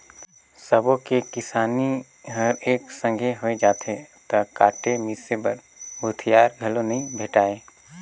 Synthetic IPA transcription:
səbõkekɪsaːni | ɦɐɾeːksə̃ŋɡʱeɦoed͡ʒaːt̪ʰet̪ɐkaːʈemisebəɾ | bʱʊt̪ʰijaːɾɡʱɐlonɐĩbʱeːʈaːeː

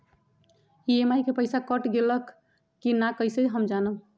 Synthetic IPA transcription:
iemajkepəjsakəʈɡeləkː | inakəjsəd͡ʒɦəmd͡ʒanəm

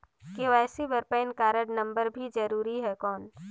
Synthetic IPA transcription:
keɛːsibəɾpeːɪnkaːɾəɽnɐ̃mbəɾbʱid͡ʒɐɾuːɾiɦɛkɔːn

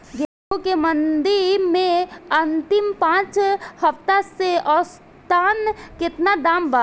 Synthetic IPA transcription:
ɡe | ukemənd̪iɾmẽənt̪ɪmpãːt͡ʃhəft̪aseʔɔːs | t̪ankɪt̪nad̪aːmba

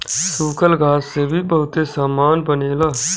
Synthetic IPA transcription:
suːkəlɡʱaːsːebʱibəɦʊt̪esaːmaːnbəneːlaː

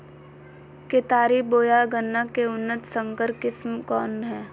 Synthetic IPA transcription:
ket̪aːɾiboːjaɡənːakeʊnːət̪sə̃ŋkəɾkɪsmkɔːnɦɛː

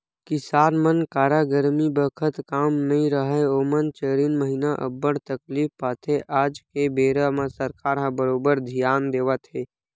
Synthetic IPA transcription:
kɪsaːɾmənkaːɾaːɡəɾmibəkʰət̪kaːmnɐɦĩɾəɦəoːmənt͡ʃəɾiːnməɦinaʔə̰bːəɽt̪əkliːfpaːt̪ʰeʔaːd͡ʒkebeːɾəmãsəɾkaːɾɦãbəɾoːbəɾd̪ʱijaːnd̪eːʋət̪ɦeː

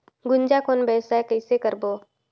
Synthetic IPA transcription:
ɡʊnd͡ʒakʰoːnbɛːsaekəɪsekəɾboː

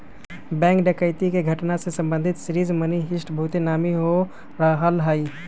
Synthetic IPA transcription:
bɛ̃ːŋkɖəkəɪt̪ikeɡʱəʈnasesə̃mbə̃nd̪ʱɪt̪sɾiːzməniɦɪʃʈbʱuːt̪enaːmiɦo | ɾaɦəlɦai

